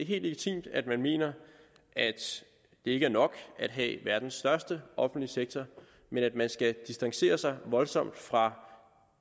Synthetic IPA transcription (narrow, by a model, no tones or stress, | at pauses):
deɦe̝̰ːld̥leɡ̥it͡sʰḭːmd̥æd̥mænme̝̰ːnɐ | ʔæd̥ | d̥e̝e̝ɡ̥əæɐnɒ̽ɡ̥æd̥ɦɛ̰ʋæɐd̥n̩sːd̥ɶɐsd̥əʔɒ̽fn̩d̥liseɡ̥̚t͡sʰɒ | menæd̥mænsɡ̥æd̥isd̥ɑ̈ŋse̝̰ːɐsɑ̈ɪʋɒ̽lsɒ̽m̰d̥fʁɑ̈